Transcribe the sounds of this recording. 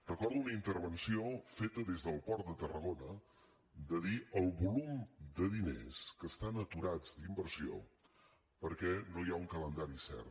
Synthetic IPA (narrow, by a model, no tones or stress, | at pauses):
rəkɔɾðuunəint̪əɾβ̞ənsiofet̪əðezðəlˠpɔɾt̪̚d̪ət̪ərəɣonə | d̪əðiəlˠβulumd̪əðinḛskəst̪anət̪uɾad͡zd̪imbəɾsio̰ | pəɾkɛnojauŋkələnd̪aɾisɛ̰r